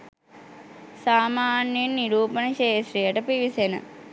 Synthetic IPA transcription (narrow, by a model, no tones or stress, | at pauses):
saːmaːnjenːiɾuːpənəʃeːsɾijəʈəpiʋisenə̰